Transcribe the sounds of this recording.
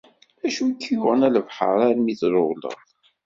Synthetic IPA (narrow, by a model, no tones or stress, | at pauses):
æʃukːjʊʁənæləvħə̰ɾˤaɾmiθɾˤʊlə̰ðˤ